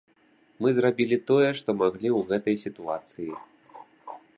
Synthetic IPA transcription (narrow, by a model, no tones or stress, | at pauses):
mɨzrabʲilʲit̪ɔjɛʂt̪ɔmaɣlʲiwɣɛt̪ɐjsʲit̪uat̪sɨji